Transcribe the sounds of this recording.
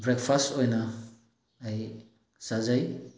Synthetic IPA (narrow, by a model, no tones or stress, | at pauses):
bɾek̚pʰastojnɐː | j | sazaj